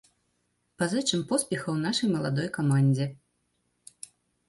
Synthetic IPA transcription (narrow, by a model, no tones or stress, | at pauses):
pazɛt͡ʂɨmpɔspʲɛxɐwnaʂɐjmɐlˠad̪ɔjkamanʲd͡zʲɛ